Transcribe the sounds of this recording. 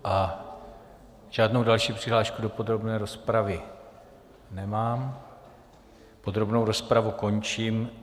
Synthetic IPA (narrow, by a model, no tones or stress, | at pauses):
ʔa | ʒ̥aːdno̞wdalʃiːpr̥ɪɦlaːʃkudo̞po̞d̪ɾo̞bnɛːɾo̞spɾavɪ | nɛmaːm | po̞d̪ɾo̞bno̞wɾo̞spɾavuko̞nt͡ʃim